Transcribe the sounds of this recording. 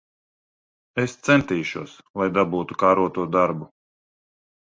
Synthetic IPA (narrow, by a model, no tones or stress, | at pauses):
est̪sɛnt̪iːʃuɔs | lˠajd̪abuːt̪ukaːɾuɔt̪uɔd̪aɾbu